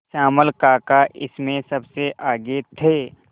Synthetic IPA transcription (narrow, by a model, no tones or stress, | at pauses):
ʃaːməlkaːkaʔɪsmẽsɐbseʔaːɡet̪ʰeː